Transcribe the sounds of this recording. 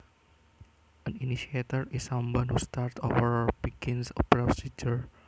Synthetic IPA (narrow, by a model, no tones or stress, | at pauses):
ʔə̃niniʃiet̪iɾisãmwɔ̃nhustaɾt̪ovəɹbiɡĩnsɔ̰pɾɔsid͡ʒəɹ